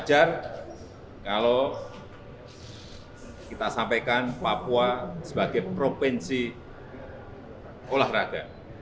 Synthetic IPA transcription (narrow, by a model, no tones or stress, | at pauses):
d͡ʒar | kalo | kit̪asampekanpapuasəb̥aɡ̥epɾopɛnsi | olahraɡ̥a